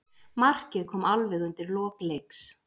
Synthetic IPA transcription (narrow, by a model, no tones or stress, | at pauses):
mar̥cɪðkʰɔːmalvɪɣʏnt̪ɪɾlɔːklejks